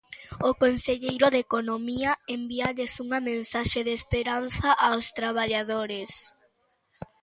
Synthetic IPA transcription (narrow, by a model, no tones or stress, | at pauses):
okonseʎejɾʊðekonomiɐembiaʎesuŋɐmẽnsaʃeðeːspeɾanθaʔawst̪ɾaβ̞aʎaðoɾes